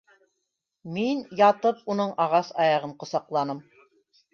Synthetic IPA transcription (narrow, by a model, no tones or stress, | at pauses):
minjɑt̪ɤp̚unɤɴʔɑʁɑsɑjɑʁɤɴqŏsɑqlˠɑnɤm